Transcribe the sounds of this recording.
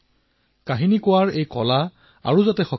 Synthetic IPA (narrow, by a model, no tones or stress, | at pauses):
kaɦinikʊwaɹejkɔ̰la | a̰ɹuzatɛxɔ